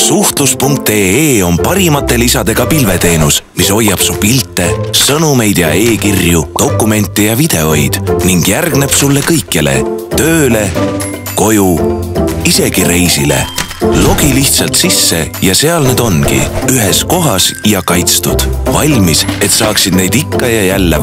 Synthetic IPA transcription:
suht̪luspuŋk̚t̪e̞ːo̞npɑɾimɑt̪ːe̞lisɑd̪̥e̞ɡ̥ɑpilve̞t̪e̞ːnusmiso̞jːɑb̥supilt̪ːˑe̞sɤnume̞jd̪̥jɑ̰e̞ːkirjud̪̥o̞kːˑume̞nʲt̪ːˑijɑvid̪̥e̞o̞jd̪̥niŋɡ̥jærɡne̞b̥sulːe̞kɤjkːˑile̞̰t̪ø̞ːle̞ | ko̞ju | ise̞ɡ̥iɾe̞jsile̞̰ | lo̞ɡ̥iliht̪sɑlt̪sisːe̞jɑse̞ɑlneːd̪̥o̞nkḭyɦesko̞ɦɑsjɑkɑjt̪st̪ud̪̥vɑlʲmise̞t̪sɑːksid̪̥ne̞jd̪ikːɑjɑjælːe

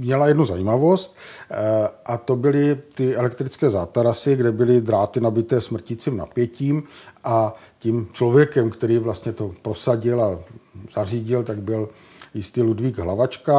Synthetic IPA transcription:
mɲɛlajɛdnuzajiːmavo̞st̪ | ʔat̪o̞bɪlɪt̪ɪɛlɛkt̪ɾɪt͡skɛːzaːt̪aɾasɪɡdɛbɪlɪd̪ɾaːt̪ɪnabɪt̪ɛːsmr̩cɪt͡siːmna̰pjɛciːmʔa | cimt͡ʃlo̞vjɛkɛmkt̪ɛɾiːvlast̪ɲɛt̪o̞pɾo̞saɟɪlaz̥ariːɟɪlt̪aɡ̚bɪl | jɪst̪iːludviːɡɦlavat͡ʃka

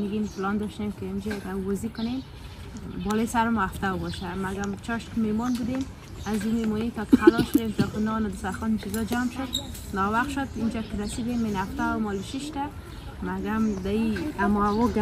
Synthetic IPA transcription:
mɪɡimplɔnd̪ɔʃt̪emkeɪmd͡ʒad̪awbɔzikʊnem | bɔlojsaɾmɔaft̪awbɔʃamaɡamt͡ʃɔʃkɪmemɔnbud̪em | azimemɔnit̪ɔk̪xalɔʃʊd̪emt̪ɔkɪnɔnad̪ɪsaxɔnt͡ʃizɔd͡ʒamʃʊd̪nɔwaqʃʊd̪ind͡ʒakɪɾasid̪emːenaft̪awmɔliʃiʃt̪a | maɡamd̪aiamɔaɣɔɡ

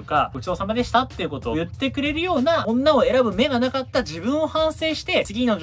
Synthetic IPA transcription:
ka̰ot͡ɕid̪o̞ːsamad̪e̞ɕi̥t̪at̪ːe̞iɯ̟ko̞t̪o̞ːjɯ̟t̪ːe̞kɯ̟ɾe̞ɾɯ̟jo̞ːnaõnːaoe̞ɾabɯ̟me̞ɡanakat̪ːad͡ʑibɯ̟̃ɰ̃o̞hãɰ̃se̞ːɕi̥t̪e̞t͡sɨɡʲino̞

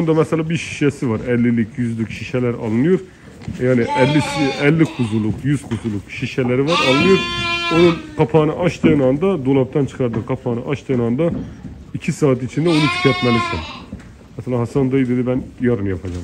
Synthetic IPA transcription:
ond̪ɑmɛsɛlɛbiʃi̥ʃɛsɪvɑɾɛlːɪlɪkʲʰjyzlɪkʲʃiʃɛlæɾɑ̰lˠɨnɨjuɾ | jɑːnɪʔɛlːɪɛlːɪqʰuzulˠːuqjyz̥qʰuzulˠuqʃiʃɛlæɾɪvɑɾɑlˠɨnɨjuɾonunqʰɑpʰɑːnɨʔɑʃt̪ʰnɑnd̪ɑd̪olˠɑp̚t̪ʰɑnt͡ʃʰɨ̥qʰɑɾd̪ɨqʰɑpʰɑːnɨ̰ʔɑʃt̪ɛnɑnd̪ɑ | ikʲʰisɑːt̪it͡ʃʰind̪ɛonut̪ʰi̥kʰʲɑt̪mɑnɨsɑm | mɛsɛlˠɑɦɑsɑnd̪ɑjid̪ɪd̪ɪbɛnjɑɾɯnjɑpʰɑd͡ʒɑm

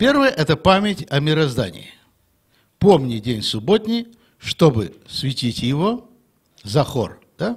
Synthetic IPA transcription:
pʲe̞rvəjəʔɛt̪əpamʲɪtʲɐmʲɪɾɐzd̪a̰nʲɪ̰jɪ | pomnʲɪdʲenʲsʊbot̪ʲnʲɪj | ʂt̪o̞bɨsvʲɪtʲitʲjɪvo | zɐxo̰r | d̪̥a

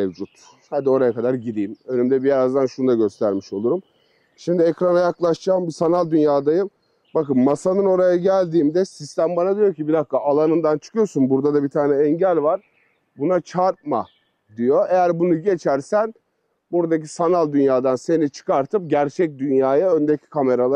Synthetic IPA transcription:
evd͡ʒut̪ | had̪io̞ɾajakad̪aɾɟid̪iːmø̞nymd̪ɛbijeɾazd̪anʃunud̪aɟø̞st̪ʰæɾmiʃo̞lˠuɾum | ʃimd̪iɛkɾanajaklˠaʃd͡ʒaːmbisanalʲˠd̪ynjaːd̪ajɯm | bakɯmːasanɯno̞ɾajaɟælʲd̪iːmd̪ɛsist̪ʰæmbanad̪ijo̞cibiɾaxkaʔːlˠanɯnd̪ant͡ʃʰɯ̥kʰɯjo̞sunbuɾd̪ad̪abit̪ʰaːnɛɛɲɟælʲvaɾ | bunat͡ʃʰaɾt̪̚ma̰ | d̪ijo̞e̞jæɾbunuɟe̞t͡ʃʰæɾsæn | buɾad̪acisanalʲˠd̪ynjaːd̪anse̞nit͡ʃʰɯ̥kaɾt̪ʰɯp̚ɟæɾt͡ʃʰɛc̚d̪ynjaːjaønd̪ecʰi̥kʰame̞ɾalˠa

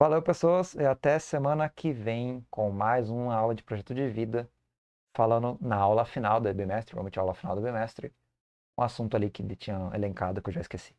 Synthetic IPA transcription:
valewpesoɐsɪat̪ɛsemɐ̃nɐkʰɪvẽj̃kõw̃majzũmɐawlɐd͡ʒɪpɾoʒɛt̪ʊd͡ʒɪvid̪ɐ | falɐ̃nd̪ʊnɐawlɐfinawd̪ɪbimɛst̪ɾɪpo̰mẽt͡ʃawlɐfina̰wd̪ʊbimɛst̪ɾɪ | ũasũnt̪ʊalikɪlɪt͡ʃĩɲɐḛlẽŋkad̪ʊɪkewʒaɪskesi̥

